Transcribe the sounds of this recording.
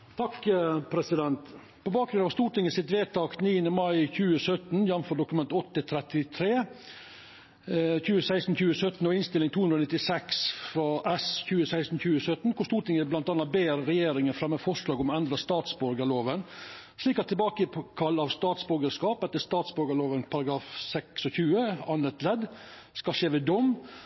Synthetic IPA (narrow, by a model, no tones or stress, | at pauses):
t̪ʰɑkpʰɾɛsɪd̪ɛnt̪ | pʰɔbɑːk̚ɡɾʉnɑʋst̪uːʈɪŋəsɪt̪ʋeːt̪ʰɑːkt̪niːənəmɑɪçʉːəsœt̪njɑnfɔɖʊkʉmɛnt̪ɔt̪ːət̪ʰɾɛt̪ɪt̪ʰɾeː | çʉːəsæɪst̪n̩çʉːəsœt̪n̩ɔʋɪnst̪ɪlɪŋt̪ʰuːʉnd̪ɾɔnɪt̪ːɪsɛksfɾɑʔɛsçʉːəsæɪst̪n̩çʉːəsœt̪n̩kʰʊʂst̪uːʈ̪ʰɪŋːəblɑnt̪ɑnɑt̪̚beːɾɾɛjeːɾɪŋənfɾɑmːɛfɔʂɭɑːɡɔmɔɛnd̪ɾəst̪ɑːt̪sbɔɾɡəɭoːʋən | ʂɭiːkɑt̪ʰːɛlbɑːkəkʰɑlːɑʋst̪ɑːt̪sbɔɾɡəskɑːpɛt̪ːəst̪ɑːt̪sbɔɾɡəɭoːʋənpʰɑɾɑɡɾɑːfsɛksɔçʉːəɑnət̪lɛd̪ | skɑʃeːʋɛːd̪ɔm